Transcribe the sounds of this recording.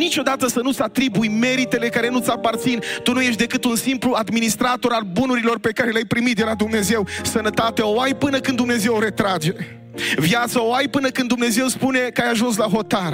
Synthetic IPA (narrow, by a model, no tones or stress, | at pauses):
nit͡ʃo̞d̪at̪əsənut̪sʲat̪ɾibujme̞ɾit̪e̞le̞kaɾe̞nut̪sʲapart̪sint̪unujeʃt̪d̪e̞kɨt̪unsimpluad̪minist̪ɾat̪o̞ɾalbunuɾilo̞rpe̞kaɾe̞leajpɾimit̪̚d̪elad̪umne̞ze̞wsənət̪at̪eaoajpɨnəkɨnumneze̞woɾe̞t̪ɾad͡ʒee | vjat̪səoajpɨnəkɨnd̪umne̞ze̞wspune̞kajaʒuns̬laɦo̞t̪ar